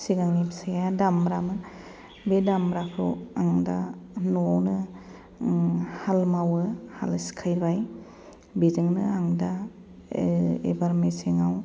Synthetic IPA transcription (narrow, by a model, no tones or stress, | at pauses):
siɡaŋnibsajaadambɾamɯ | bedambɾapʰɾṵaŋdanuawnɯ | halmawɯhalsi̥kʰajɾbaj | bezɯŋnɯaŋda | ḛbaɾmeseŋaw